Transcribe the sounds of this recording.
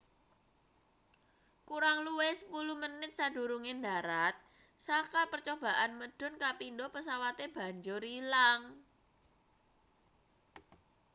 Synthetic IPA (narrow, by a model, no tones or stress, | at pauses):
kuɾaŋluwesə̥puluhmənɪt̪̚saɖ̥ṳɾuŋendaɾat̪̚ | sakapərt͡ʃob̥a̤ʔanməɖ̥ɔ̤nkapindopəsawat̪eb̥ä̤ɲd͡ʒʊɾilaŋ